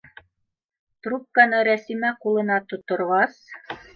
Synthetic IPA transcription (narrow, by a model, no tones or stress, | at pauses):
t̪rup̚kɑnɤɾæsimæqulˠɤ̆nɑt̪ŏt̪ŏɾʁɑs